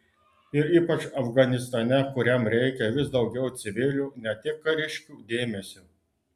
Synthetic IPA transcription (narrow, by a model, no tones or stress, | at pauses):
ɪɾiːpɐt͡ʃɐfɡɐnʲɪst̪ɐnʲɛkʊɾʲɛmɾʲɛɪkʲɛʋʲɪsd̪ɒʊɡʲɛʊt̪sʲɪʋʲɪlʲuːnʲɛt̪ʲɪk̚kːɐɾʲɪʃʲkʲuːd̪ʲeːmʲɛsʲuː